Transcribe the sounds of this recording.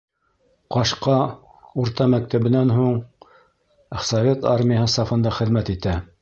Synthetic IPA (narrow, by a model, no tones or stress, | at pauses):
qɑʃqɑ | uɾt̪ɑmæk̚t̪æβɘ̆nænɦuɴ | sɐvʲet̪ɑɾmʲɪjəɦɤsɑfɤ̆nd̪ɑχɘ̆ðmæt̪it̪æ